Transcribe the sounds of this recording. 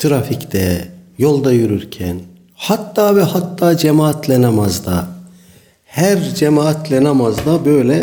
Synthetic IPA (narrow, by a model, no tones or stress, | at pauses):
t̪ʰɯɾafict̪ɛjo̞lˠd̪ajyɾyɾcʰæn | hat̪ːaːvɛhat̪ʰːaːd͡ʒemaːat̪ʰlʲɛnamazd̪a | hæɾd͡ʒemaːat̪lʲɛnamazd̪abø̞jlʲɛ